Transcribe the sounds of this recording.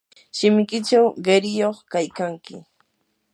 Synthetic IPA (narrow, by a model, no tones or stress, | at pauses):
ʃɪmɪkɪt͡ʃawɢeɾɪjoχkajkaŋkɪ̰